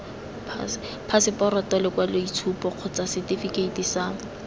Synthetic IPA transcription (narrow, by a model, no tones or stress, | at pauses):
pʰas | pʰasɪpɔɾɔtɔlɪkwaleit͡sʰupɔq͡χʰʊt͡sasɪtifiketisa